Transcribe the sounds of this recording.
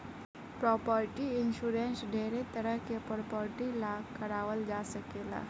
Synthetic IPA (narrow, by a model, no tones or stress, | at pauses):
pɾɔpəɾʈiinʃuɾɛnsɖeɾet̪əɾəkepɔɾpəɾʈilakəɾawəld͡ʒasəkela̰